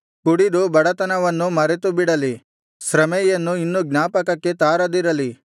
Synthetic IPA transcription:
kuɽid̪ubɐɽɐt̪ɐnɐʋɐnːumɐɾet̪ubiɽɐli | sɾɐmɛjɐnːuinːuɡnaːpɐkɐkːe̞t̪aːɾɐd̪iɾɐli

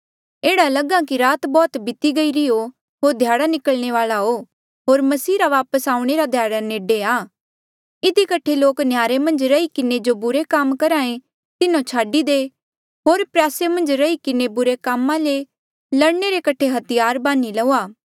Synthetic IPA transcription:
eːɽalɐɡãkiɾaːt̪bɔːt̪bɪt̪iɡɐiɾɪo | ɦoːɾd̪ʱjaːɽanɪkəɭñeʋaːlaɦo | ɦoːɾmɐsiːɾaʋaːpəsaːũɽ̃eɾad̪ʱjaːɽaneːɖeaː | ɪd̪ikɐʈʰeloːknjaːɾemɐ̃nd͡ʒɾɐikɪned͡ʒobʊɾekamkɐɾaːẽ | t̪ɪnõt͡ʃʰaːɖid̪e | ɦoːɾpɾɛːsemɐ̃nd͡ʒɾɐikɪnebʊɾekaːmːãle | lɐɽneɾekɐʈʰeɦɐt̪ɪjaːɾbaːnilɐuaː

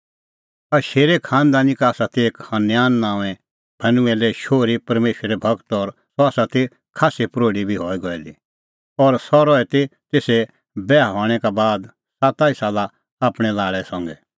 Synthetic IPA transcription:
aʃeːɾekʰãːnd̪aːnikaːsat̪ʰeeːkhɐ̃njaːnːãːʋɛ̃ | bʱɐnũɛlɛʃoːɾipɐɾmeːʃɾɛbʱɐɡt̪ɔɾsɔaːsat̪e | kʰaːsepɾoːɽibʱiɦɔːiɡɔɛli | ɔːɾsɔɾɔɛt̪et̪eːsɛ | bɛːaɦɔːɽ̃ɛkabaːd̪ | sat̪aːisaːla | aːpɽ̃ɛlaːɭɛsɔ̃ŋɡɛ

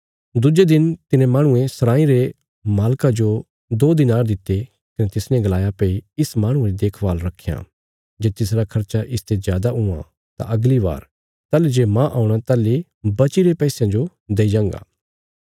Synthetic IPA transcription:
d̪ʊd͡ʒed̪ɪnt̪ɪnẽmaːɽ̃ʊ̃ẽsɐɾãːĩɾe | maːlkad͡ʒo | d̪oːd̪ɪnaːɾd̪ɪt̪ːe | kɐnet̪ɪsnɛ̃ɡɐlaːjapeːiɪsmãːɽ̃ʊ̃eɾid̪eːkʰbaːlɾɐkʰːeja̰ | d͡ʒeːt̪ɪs̬ɾakʰɐɾt͡ʃaʔɪst̪ezjaːd̪aʊã̰ | t̪ã̰ʔɐɡliʋa̰ːɾ | t̪aːled͡ʒeːmãʔaːũɽ̃at̪aːli | bɐt͡ʃiɾepɛːsjãd͡ʒo | d̪eːid͡ʒãːŋɡa̰ː

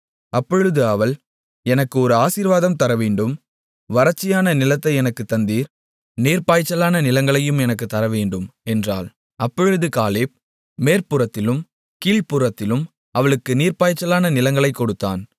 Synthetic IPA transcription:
ʔɐpːɔɻɯðɯɐʋɐɭ | ɛnɐkːɯɔɾɯaːsiːɾʋaːðɐmt̪ɐɾɐʋeːɳɖɯm | ʋɐɾɐt͡ʃːɪjaːnɐnɪlɐt̪ːɐɪɛnɐkːɯt̪ːɐnd̪iːɾ | niːɾpaːjt͡ʃːɐlaːnɐnɪlɐŋɡɐɭɐjɯmɛnɐk̬ːɯt̪ːɐɾɐʋeːɳɖɯmɛndra̰ːl | ɐpːɔɻɯðɯkaːleːp̚ | meːɾpʊɾɐt̪ːɪlɯm | kiːlpʊɾɐt̪ːɪlɯm | ɐʋɐɭɯkːɯniːɾpaːjt͡ʃːɐlaːnɐnɪlɐŋɡɐɭɐɪkːɔɽɯt̪ːaːn

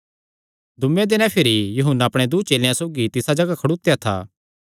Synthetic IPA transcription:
d̪ʱʊmẽd̪ɪnãpʰɪɾijuɦʊnːaɐpɽ̃ed̪uːt͡ʃeːljãsoːɡit̪ɪsad͡ʒɐɡakʰɐɽut̪ejat̪ʰa̰ː

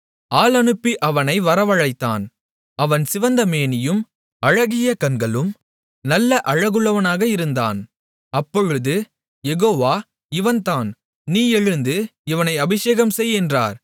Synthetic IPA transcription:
aːlɐnɯpːiʔɐʋɐnɐɪʋɐɾɐʋɐɻɐɪt̪ːa̰ːn | ɐʋɐnsɪʋɐnd̪ɐmeːnɪjɯm | ɐɻɐɣɪjɐkɐnɡɐɭɯm | nɐlːɐʔɐɻɐɣɯɭːɐʋɐnaːɣɐɪɾɯnd̪a̰ːn | ɐpːɔɻɯðɯ | jɛɣoːʋaː | ɪʋɐnt̪aːn | niːɛɻɯnd̪ɯɪʋɐnɐɪɐbɪʂeːɣɐmsɛjɛndra̰ːɾ

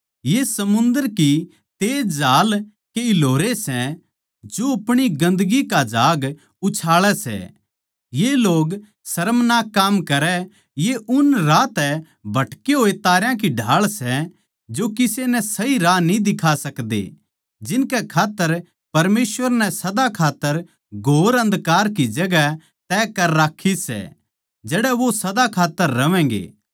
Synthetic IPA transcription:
jesɐmʊ̃nd̪əɾki | t̪eːd͡ʒaːl | keɪloːɾesɛ | d͡ʒoɐpɽ̃iɡɐ̃nd̪ɡikad͡ʒaːɡ | ʊt͡ʃʰaːɭɛsɛ̰ | jeloːɡ | sɐɾəmnaːkːaːmkɐɾɛ | jeʔʊnɾaːt̪ɛ | bʱɐʈkeɦoːet̪aːɾjãk̬iɖʱaːɭsɛ | d͡ʒokɪsenɛsɐiɾanĩd̪ɪkʰasɐkd̪ḛ | d͡ʒɪnkɛkʰaːt̪ːəɾ | pɐɾmeːsʋəɾnɛ̃sɐd̪akʰaːt̪ːəɾ | ɡʱoːɾɐ̃nd̪kaːɾkid͡ʒɐɡɛ | t̪ɛːkɐɾːaːkʰisɛ̰ | d͡ʒɛːɽɛʋosɐd̪akʰaːt̪ːəɾːɐʋɛ̃ːɡḛː

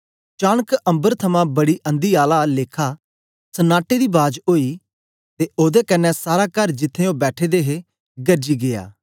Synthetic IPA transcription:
t͡ʃaːɽ̃əkɐ̃mbəɾt̪ʰɐmãbɐɽiːʔə̃nd̪iːaːlaleːkʰaː | sənaːʈed̪iːbaːd͡ʒɦoːiː | t̪eʔoːd̪ɛkɐnːɛsaːɾaːkɐɾd͡ʒɪt̪ʰːẽõːbɛːʈʰeːd̪eːɦe | ɡɐɾd͡ʒiːɡɪja̰ː

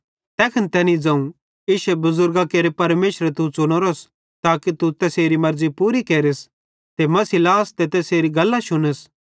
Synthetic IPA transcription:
t̪ɛːkʰɐnt̪ɛːnid͡zɐ̃ːũ | iːʃɛbʊzʊɾɡakeːɾepɐɾmeːʃɾet̪ut͡ʃʊɽ̃oɾos | t̪aːkit̪ut̪ɛseːɾimɐɾzipuːɾikeːɾɪs | t̪emɐsilaːst̪et̪ɛːseːɾiɡɐlːaʃʊnəs

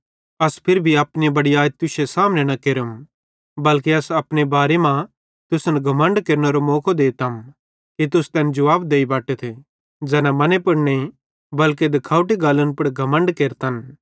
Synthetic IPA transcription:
ɐspʰɪɾbʱiɐpnibɐɽiaːt̪ʊsesaːmnẽnɐkeɾəm | bɐlkeɐsɐpɽ̃ebaːɾemã | t̪ʊsnɡʱɐmə̃ɳɖkeɾnɐɾomɔːkʰod̪eːt̪ɐm | kit̪̬ʊst̪ɛːnd͡ʒɐʋaːbd̪eːibaːʈət̪ʰe | d͡ʒɛːnamɐnepʊɾne | bɐlk̬ed̪ɐkʰaːuʈ̬iɡaːlənpɐɽɡʱɐmə̃ɳɖkeːɾt̪ɐn

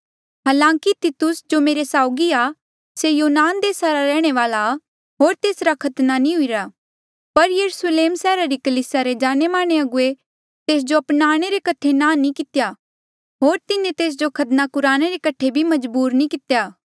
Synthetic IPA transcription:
ɦaːlãːkit̪ɪt̪ʊsd͡ʒomeːɾesaːʊɡia | sejoːnaːnd̪eːsaɾaɾɛːɽ̃eʋaːla | ɦoːɾt̪eːsɾakʰɐt̪nanĩɦʊiɾaː | pɐɾjɐɾʊsleːmsɛːɾaɾikɐliːsaɾed͡ʒaːñemaːɽ̃eɐɡʊe | t̪eːs̬d͡ʒoɐpnaːɽ̃eɾekɐʈʰenaːnĩkɪt̪ja | ɦoːɾt̪ɪnẽt̪eːs̬d͡ʒokʰɐt̪nakʊɾaːɽ̃eɾekɐʈʰebʱimɐd͡ʒbuːɾnĩkɪt̪jaː

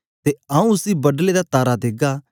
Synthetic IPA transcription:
t̪eaũʊsibɐɖled̪at̪aːɾad̪eːɡaː

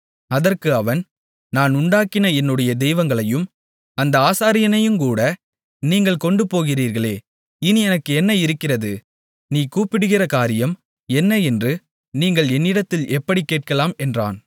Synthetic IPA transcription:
ɐðɐrkɯɐʋɐn | naːnʊɳɖaːkːɪnɐɛnːɯɽɐjɐd̪ɛjʋɐŋɡɐɭɐjɯm | ɐnd̪ɐaːsaːɾɪjɐnɐjɯmkuːɽɐ | niːŋɡɐɭkɔɳɖɯpoːɣɪriːɾɣɐɭeː | ɪnɯɛnɐkːɯɛnːɐɪɾɯkːɪrɐðɯ | niːkuːpːɪɽɯɣɪrɐkaːɾɪjɐm | ɛnːɐɛndrɯ | niːŋɡɐɭɛnːɪɽɐt̪ːɪlɛpːɐɽikːeːʈ̚kɐlaːmɛndra̰ːn

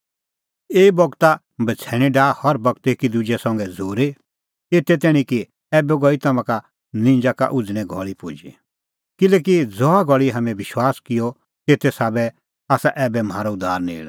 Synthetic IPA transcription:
eːbɔɡt̪a | bɐt͡sʰɛːɽ̃iɖaːhɔɾbɐɡ̚t̪ekid̪ʊd͡ʒɛsɔ̃ŋɡɛd͡zʱoːɾe | eːt̪ɛt̪ɛːɽ̃ĩki | ɛːbɛɡɔit̪ɐmãka | nɪ̃ɲd͡ʒaka̰ʔʊd͡zɽ̃ɛ̃ɡʱɔ̰ɭipʊd͡ʒḭ | kɪlɛːk̬id͡zɔaɡʱɔɭiɦɐmɛ̃ʋɪʃwaːskɪjɔ | t̪eːt̪ɛsaːbɛ | aːsaʔɛːbɛmɦaːɾɔʊd̪aːɾnḛːla

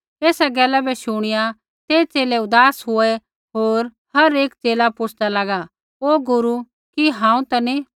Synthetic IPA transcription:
eːsaɡɛːlɛbʱɛʃʊɽ̃ɪja | t̪eːt͡ʃeːlɛʊd̪aːsɦʊɛ | ɦoːɾ | hɐɾeːk̚t͡ʃeːlapʊt͡ʃʰd̪alɐɡa | oːɡʊɾu | kiɦãːũt̪ɐni

